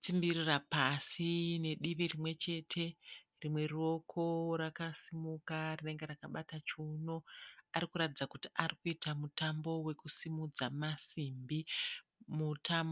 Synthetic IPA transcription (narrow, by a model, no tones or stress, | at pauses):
t͡simbirirapasine̞ɗiʋirimwe̞t͡ʃe̞tʰe̞ | rimwe̞rio̞kʰo̞ɾakasimukarine̞ŋɡe̞ɾakaɓatat͡ʃuno̞aɾikuɾatid͡zakutiʔarikuitamutambo̞we̞kusimud͡zamasimbi | mutʰambo